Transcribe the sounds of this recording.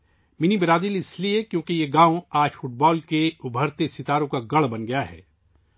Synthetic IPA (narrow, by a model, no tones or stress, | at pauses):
mɪnibɪɾaːd̪ilɪsliekjõːkijeɡãːõaːd͡ʒfʊʈ̚bɔːlkeʊbʱəɾt̪esɪt̪aːɾõkaɡɐɭbɐnɡɐjaɦɛ̰ː